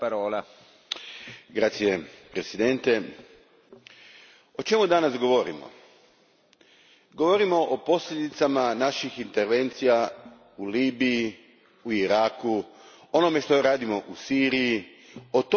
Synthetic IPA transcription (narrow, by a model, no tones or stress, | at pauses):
paɾoːla | ɡɾaːt̪sije̞pɾe̞sid̪e̞nt̪e | o̞t͡ʃe̞mud̪anasɡo̞ʋo̞ɾḭmo̞̰ | ɡoʋo̞ɾimo̞ʔopo̞sʎʲed̪it̪samanaʃixint̪eɾʋe̞nt̪sija | uliːbiji | uiɾaːku | ono̞me̞ʃt̪o̞ɾaːd̪imo̞ʔusiːɾiji | o̞t̪